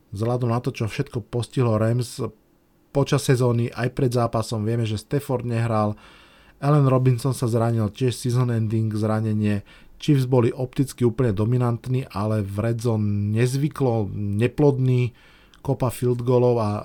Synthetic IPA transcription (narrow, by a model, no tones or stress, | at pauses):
zɦlad̪ɔmnat̪ɔt͡ʃɔfʃɛt̪kɔpɔsciɦlɔɾɛms | pɔt͡ʃasːɛzɔːniʔajpɾɛd̪zaːpasɔmʋɪɛmɛʒɛst̪ɛfɔɾd̪ɲɛɦɾal | ɛlɛnɾɔbinsɔnsazɾaɲilcɪɛʃsizɔnɛnd̪iŋɡzɾaɲɛɲɪɛ | t͡ʃivzbɔliʔɔp̚t̪it͡skiuːpl̩ɲɛd̪ɔminant̪niːʔalɛvɾɛzɔnɲɛzʋiklɔɲɛplɔd̪niː | kɔpafild̪ɡɔːlɔʊa